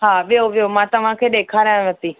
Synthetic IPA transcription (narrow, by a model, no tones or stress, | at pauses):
ɦaːʋɪjoʋɪjomãːt̪ɐʋ̤ãkʰeːɗeːkʰaːɾjãʋət̪iː